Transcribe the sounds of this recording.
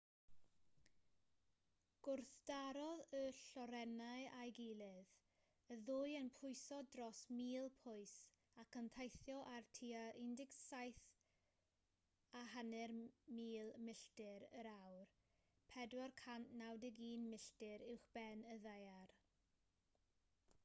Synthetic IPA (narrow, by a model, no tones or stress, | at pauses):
ɡ̥ʊrθd̥aɾɔðəɬɔɾɛnaɨajɡilˠɪð | əðʊjənpʰʊjsɔdrɔsmiːlˠpʰʊɨs | akʰəntʰajθjɔʔartʰiːaʔɪndɪksajθ | aɦanɛrmiːlˠmɪɬtɪɾəɾawr | pʰɛdwarkʰantnawdɪɡiːnmɪɬtɪɾɪwχb̥ɛnəðajar